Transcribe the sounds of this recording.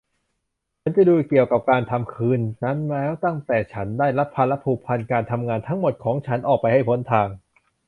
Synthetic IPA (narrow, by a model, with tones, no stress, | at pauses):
t͡ɕʰa˨˦nt͡ɕa˧˩duː˧ki˨˩əwka˨˩p̚kaː˧nt̪ʰa˧mkʰɯː˧nːa˦˥nlɛː˦˥wt̪a˥˩ŋt̪ɛː˨˩t͡ɕʰa˦˥ndaː˥˩jla˦˥pʰːa˧la˦˥pʰuː˧˩pʰa˧nkaː˧nt̪ʰa˧mŋaː˧nt̪ʰa˦˥ŋmo˨˩t̪̚kʰɔː˩˦ŋt͡ɕʰa˦˥nʔɔː˨˩k̚pa˧jha˥˩jpʰo˨˩˥nt̪ʰaː˧ŋ